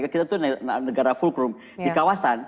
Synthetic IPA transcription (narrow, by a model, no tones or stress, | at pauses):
ɡakit̪at̪unnəɡaɾafulkɾum | dikawasan